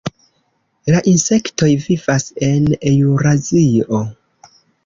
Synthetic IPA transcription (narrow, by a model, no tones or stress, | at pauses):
laʔinse̞kto̞jvivase̞nejuɾazio̞